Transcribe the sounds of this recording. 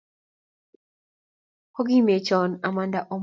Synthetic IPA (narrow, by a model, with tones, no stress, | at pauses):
kɔ˦ɡi˦me˨t͡ʃɔ˨na˨ma˦nda˨ʔo˦m